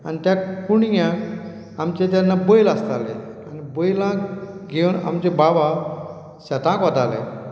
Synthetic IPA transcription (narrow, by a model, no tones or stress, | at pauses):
anit̪jakuɳjjã | amt͡ɕet̪̬janːabojlast̪ale | anibojlãɡewna̰mt͡ɕebaba | ɕat̪ãkʋat̪alḛ